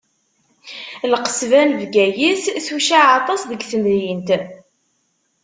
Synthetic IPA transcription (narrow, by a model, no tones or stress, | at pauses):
lqə̥svænvɡæjisθuʃaʕɑt̪ˤɑsðəɡθənɾjint̪